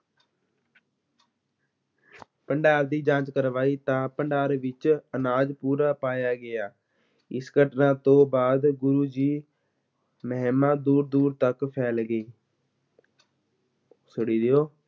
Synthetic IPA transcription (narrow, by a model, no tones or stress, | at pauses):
pəɳɖaːɾd̪iːd͡ʒãːt͡ʃkəɾʋaːiːt̪ãːpəɳɖaːɾʋɪt͡ʃənaːd͡ʒpuːɾaːpaːjaːɡɪjaː | ɪskəʈʰnãːt̪õːbaːd̪ɡʊɾuːd͡ʒiː | məɦmãːd̪uːɾd̪uːɾt̪əkpʰɛːlɡəiː | sʊɽiːd̪eoː